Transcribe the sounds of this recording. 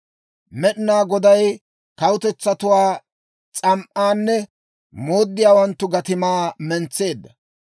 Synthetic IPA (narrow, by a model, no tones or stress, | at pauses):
mɛɗɪnaːɡɔd̪ɐj | kɐwʊt̪ɛt͡sːɐt̪ʊwaː | t͡sʼɐmʔʔaːnːɛ | moːd̪ːɪjaːwɐnt̪ːʊɡɐt̪ɪmaːmɛnt͡sːe̞ːd̪ːɐ